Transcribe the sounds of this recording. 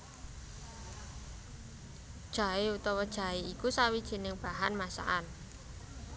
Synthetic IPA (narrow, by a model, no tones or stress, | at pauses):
d̥ʒ̥a̤eut̪ɔwɔd̥ʒ̥a̤eikusawid̥ʒ̥i̤nɪŋb̥aɦanmasa̰ʔan